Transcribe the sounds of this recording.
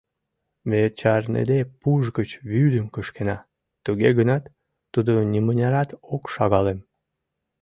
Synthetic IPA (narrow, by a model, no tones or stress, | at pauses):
βet͡ɕɑrnḛd̪epuʒɣət͡ɕβyd̪əmkəʃkenɑ | t̪uɣeɣənɑt̪ː | ud̪onʲimənʲɑɾɑt̪okʃɑɣɑlem